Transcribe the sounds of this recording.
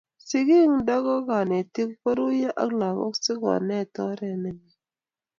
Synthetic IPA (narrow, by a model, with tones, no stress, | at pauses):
si˨ki˦˨ŋ˦da˦ɣɔ˦ɡa˨ne˨ti˦kkɔ˦ɾu˦je˦ʔa̰˦kla˨ko̰˦ksi˦ka̰˨ne˦˨tɔ˦ɾe˨ne˨ni˨